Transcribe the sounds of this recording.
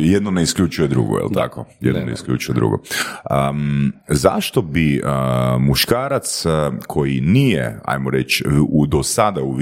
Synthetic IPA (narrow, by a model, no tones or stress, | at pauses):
jed̪noneiskʎʲut͡ʃujed̪ɾṵɡo̰jḛlt̪a̰ko̰jed̪noneḭskʎʲṵt͡ʃujed̪ɾṵɡo̰ə | za̰ʃt̪obi | muʃkaːɾat̪skʰo̞jinijḛa̰jmoɾet͡ʃud̪osad̪auʋ